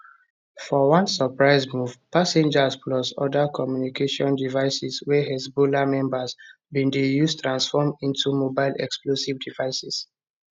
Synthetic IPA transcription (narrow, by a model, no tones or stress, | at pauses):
fɔwɔ̃nsəpɹaɪsmuvpasɛ̃nd͡ʒaspʰlɔsɔ̰dakʰɔmjunikʰeʃɔ̃ndivaɪsiswɛhɛsbolamɛ̃mbas | bĩndejustɹãnsfɔmĩntʰumobaɪlɛ̰ksplosivdivaɪsis